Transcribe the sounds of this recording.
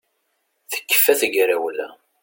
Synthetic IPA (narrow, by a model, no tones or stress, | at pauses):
θə̥kːə̥fːæθəʝɾæwlæ̰